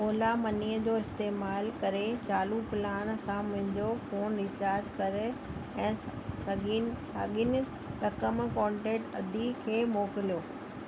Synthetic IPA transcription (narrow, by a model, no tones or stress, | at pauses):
oːlamɐniːəd͡ʑoːɪst̪eːmaːlkɐɾet͡ɕaːlupɪlaːɽ̃sãmʊ̃ɦɪ̃ɲd͡ʑofoːnɾɪt͡ɕaːɾd͡ʑkɐɾeɛ̃ːsɐɡi | aɠɪn | ɾɐkəmkɔ̃ːɳʈẽːʈɐd̪ʱikʰeːmoːkɪlijoː